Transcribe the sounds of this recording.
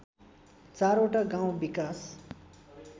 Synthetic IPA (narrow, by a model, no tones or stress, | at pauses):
t͡saɾoʈaɡaw̃bikas